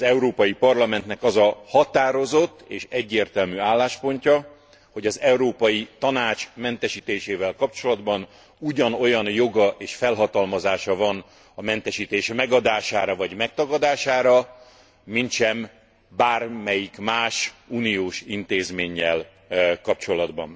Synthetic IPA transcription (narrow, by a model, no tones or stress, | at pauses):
ɒzɛuɾoːpɒjipɒrlɒmɛnt̪nɛkɒzɒhɒt̪aːɾo̞zo̞t̪ːeːʃɛɟːeːrt̪ɛlmyːaːlːaːʃpo̞ɲcɒ | ho̞ɟɒzɛuɾoːpɒjit̪ɒnaːt͡ʃmɛnt̪ɛʃiːt̪eːʃeːvɛlkɒp̚t͡ʃo̞lɒd̪bɒn | uɟɒno̞jɒnjo̞ɡɒʔeːʃfɛlɦɒt̪ɒlmɒzaːʃɒvɒn | ɒmɛnt̪ɛʃiːt̪eːʃmɛɡɒd̪aːʃaːɾɒvɒɟmɛk̚t̪ɒɡɒd̪aːʃaːɾɒ | mint̪ʃɛm | baːrmɛjikmaːʃuːnijoːʃint̪eːzmeːɲːɛl | kɒpt͡ʃo̞lɒd̪bɒ̰n